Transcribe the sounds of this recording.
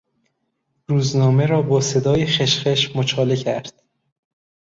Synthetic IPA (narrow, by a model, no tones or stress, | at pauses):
ruːznɒːme̞ɾɒːbɒːse̞d̪ɒːjexeʃχeʃmot͡ʃʰɒːlecʰæɾd̪̥̚